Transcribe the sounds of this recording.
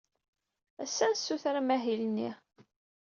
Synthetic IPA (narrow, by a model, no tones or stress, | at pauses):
æsːænsːuθɾamæɦilnḭ